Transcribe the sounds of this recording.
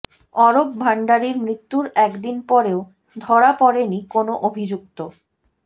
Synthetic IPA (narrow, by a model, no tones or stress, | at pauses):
ɔɾop̚bʱaɳɖaɾiɾmɾit̪ːuɾɛkd̪inpɔɾeo | d̪ʱɔɾapɔɾenikonoʔobʱid͡ʑuk̚t̪o